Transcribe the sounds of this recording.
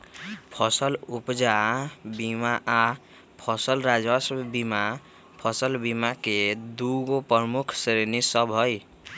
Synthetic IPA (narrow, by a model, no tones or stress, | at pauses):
pʰɔsəlupd͡ʒabimaʔa | pʰɔsəlɾad͡ʒəsbima | pʰʌsəlbimaked̪uɡopɾmukʰsɾenisəbɦoj